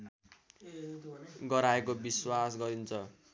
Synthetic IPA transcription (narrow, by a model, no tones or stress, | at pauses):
ɡʌɾaekobiswasɡʌɾint͡sʰʌ